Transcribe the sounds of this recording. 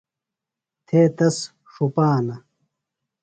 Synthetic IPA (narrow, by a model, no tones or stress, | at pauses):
t̪ʰeːt̪ɐs | ʂupaːnɐ